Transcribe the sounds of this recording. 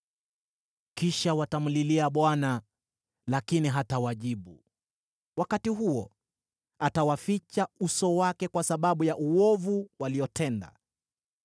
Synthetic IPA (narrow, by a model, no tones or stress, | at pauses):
kiʃawatam̩liliaɓwana | lakiniɦatawaʄiɓu | wakatiɦuɔ | atawafit͡ʃausɔwakɛkwasaɓaɓujaʔuɔvuwaliɔtɛnda̰